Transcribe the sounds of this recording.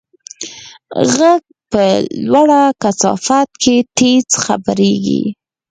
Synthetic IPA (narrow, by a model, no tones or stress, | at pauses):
ɣaɡ̚ | pəlwaɽakasɑ̰fat̪kʰet̪et͡sxa̰bəɾeɡḭ